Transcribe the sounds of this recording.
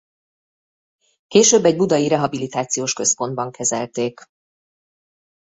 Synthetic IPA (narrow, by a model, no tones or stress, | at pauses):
keːʃøːbːɛɟ̚bud̪ɒjiɾɛɦɒbilit̪aːt̪sijoːʃkø̞spo̞nd̪̚bɒŋkʰɛzɛlt̪eːk